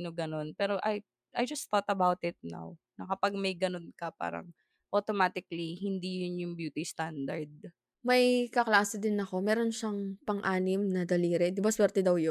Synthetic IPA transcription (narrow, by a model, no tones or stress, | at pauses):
noɡɐno̞npɛːɾoʔɐj | ʔɐjd͡ʒɐst̪ot̪ɐbawt̪ɪt̪̚na̰w | nɐkɐpɐɡ̚mɐjɡɐnonkɐpa̰ːɾɐ̰ŋ | ʔot̪omat̪ɪklihɪnd̪ijʊnjʊŋbjuːt̪ist̪and̪ɐɹd̪̚ | mɐjkɐklaːsɪd̪ɪnːɐko̞mɛːɾo̞nʃɐŋpɐŋʔaːnɪmnɐd̪ɐliːɾɛd̪ɪbɐswɛːɾt̪ɛd̪ɐwjo